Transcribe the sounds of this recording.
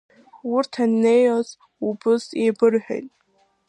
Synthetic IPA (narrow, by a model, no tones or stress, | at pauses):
wʊrtʰanːejoz | ubɨsebɨrħᶣa̰jtʼ